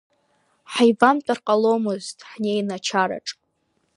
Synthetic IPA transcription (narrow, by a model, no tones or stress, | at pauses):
ħajvamtʼarqʼalo̞mɨztʼħnejnat͡ʃʰaɾa̰ʈ͡ʂʼ